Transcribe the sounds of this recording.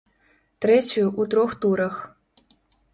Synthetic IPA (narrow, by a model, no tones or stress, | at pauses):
t̪ɾɛt͡sʲʊjuʔut̪ɾɔxt̪uɾɐx